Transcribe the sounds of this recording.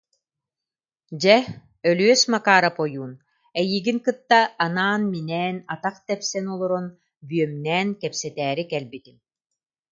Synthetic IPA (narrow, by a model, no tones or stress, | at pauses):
d͡ʑɛ | œlyœsmakaːɾapɔjuːn | ɛjiɡiŋkɯt̪ːaːnaːnminɛːnat̪aχt̪ɛpsɛnɔlˠɔɾɔn | byœmnɛːnkɛpsɛt̪ɛːɾikɛlbit̪in